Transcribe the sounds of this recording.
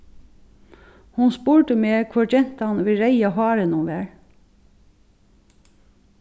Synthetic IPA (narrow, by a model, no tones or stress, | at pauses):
hʊnspuːɹʈəmeːkʰʋʊd͡ʒɛn̥t̪ɑnʋɪɾæɪɑɦɑːɾənuːʋæːɹ